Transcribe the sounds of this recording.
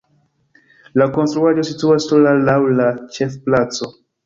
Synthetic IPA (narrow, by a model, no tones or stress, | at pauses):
lako̞nst̪ɾuaʒo̞situastolalawlat͡ʃefplat͡so